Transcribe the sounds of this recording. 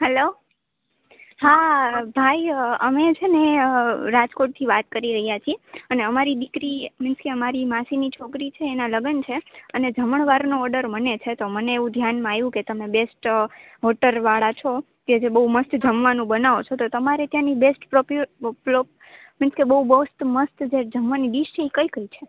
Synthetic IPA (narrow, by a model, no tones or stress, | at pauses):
ɦɛlo | habʱajəmet͡ʃʰeneɾad͡ʒkoʈ̚t̪ʰiʋat̪̚kəɾiɾəɦijat͡ʃʰieəneəmaɾid̪ikɾimɪnskeəmaɾimasinit͡ʃʰokɾit͡ʃʰeːnaləɡənt͡ʃʰeəned͡ʒəməɳʋaɾnoɔɾɖəɾmənet͡ʃʰet̪oməneːʋũd̪ʱjanmãajũket̪əmebesʈ | ɦɔʈəɾʋaɭat͡ʃʰo | ked͡ʒebəɦuməst̪d͡ʒəmʋanũbənaʋot͡ʃʰot̪ot̪əmaɾet̪jãnibesʈpɾopplop | mɪnskebəɦubəst̪məst̪d͡ʒed͡ʒəmʋanidiʃt͡ʃʰeikəikəjt͡ʃʰe